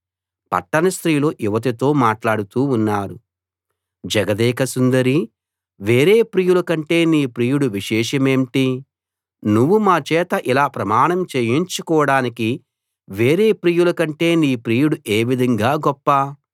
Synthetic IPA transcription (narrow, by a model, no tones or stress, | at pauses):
pɐ̰ʈːɐnɐst̪ɾiːloːʔjuʋɐt̪̬ɐt̪o̞ːmaːʈlaːɽut̪uːunːaːɾu | d͡ʒɐɡɐd̪ɛːkɐsund̪ɐɾi | ʋe̞ːɾe̞ːpɾiːjulɐkɐɳʈe̞ːniːpɾiːjuɽuʋiʃɛːʂɐme̞ːmʈi | nuʋːumaːt͡ʃɛːt̪ɐʔilaːpɾɐmaːɳɐmt͡ʃeːjiɲt͡ʃukɔːɐɽaːniki | ʋeːɾeːpɾiːjulɐkɐɳʈe̞ːniːpɾiːjuɽuʔe̞ːʋid̪ʱɐŋɡaːɡɔpːɐ